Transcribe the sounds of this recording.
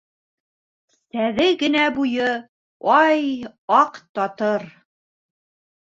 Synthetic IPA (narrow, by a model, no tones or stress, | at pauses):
sæðɘɡɘ̆næbujɤ | ɑjɑqt̪ɑt̪ɤɾ